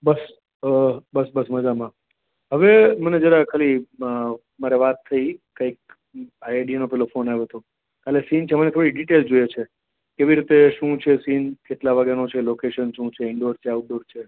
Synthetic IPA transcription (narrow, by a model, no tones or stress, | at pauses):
bəs | əbəsbəsməd͡ʒamã | ɦəʋeməned͡ʒəɾakʰəli | maɾeʋat̪ʰːəikəik̚ | aɖianopɛlofonaʋoɦət̪õ | kalesint͡ʃʰemənet̪ʰoɽiɖiʈeld͡ʒojet͡ʃʰe | keʋiɾit̪eʃũt͡ʃʰesinkeʈlaʋəɡanot͡ʃʰelokeʃənʃũt͡ʃʰeɪɳɖoɾt͡ʃʰeauʈ̚ɖoɾt͡ʃʰe